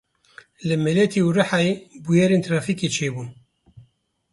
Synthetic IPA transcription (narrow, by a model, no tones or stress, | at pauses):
ləmːælæt̪iwraħaibujæɾint̪ɾɑfikit͡ʃibu